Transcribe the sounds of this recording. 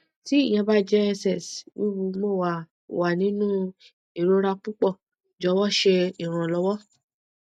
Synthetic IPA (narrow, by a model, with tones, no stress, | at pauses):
ti˦i˦˨j̃ã˧ba˦d͡ʒɛ˦˧sɛ˨swu˦˨ɾu˧mo˦˨wa˨ | wa˨nĩ˨˦nũ˦ | i˦˨ɾo˦ɾa˧k͡pu˦k͡pɔ˦˨ | d͡ʒɔ˨˦wɔ˦ʃe˧i˨ɾ̃ã˨lɔ˨˦wɔ˦